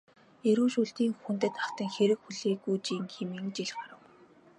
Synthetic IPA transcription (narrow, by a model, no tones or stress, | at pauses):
eɾuːʃuɬt̪iːŋxunt̪ɘ̆t̪aχt̪ə̆ŋxeɾɘ̆kxuɮeːɡujt͡ɕiːŋxemiːŋt͡ɕiɮɢaɾə̆w